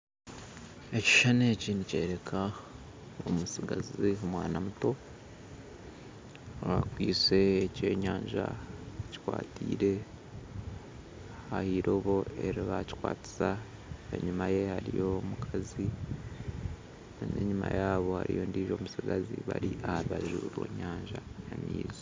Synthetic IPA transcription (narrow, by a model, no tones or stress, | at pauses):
eci̥ʃanecinice̞̰ɾe̞kʰa | omusiɡaziomwaːnamuto̞ | βakwiːse̞ːce̞ːɲaːɲʒa̰ci̥kwaːtiːɾe̞ | hahiɾo̞βo̞e̞ɾiβaci̥kwaːti̥sa | ḛɲumaje̞haɾijo̞mukʰazi | ne̞̰ɲumajaːβo̞ha̰ɾijo̞ːndiːʒo̞musiɡaziβaɾiʔahaɾuβaʒuːɾo̞̰ːɲaːɲʒaamiːzi